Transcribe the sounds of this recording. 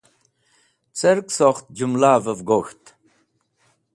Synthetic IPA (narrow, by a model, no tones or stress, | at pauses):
t͡səɾksoχt̪̚d͡ʑumlaːvəvɡoxt̪